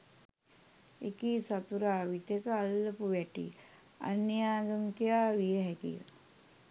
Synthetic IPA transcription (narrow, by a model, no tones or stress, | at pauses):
ekisat̪uɾaːʋit̪ekəalːəpuʋæʈḭ | a̰nːijaːɡəŋkejaːʋijəɦɛkḭjə̰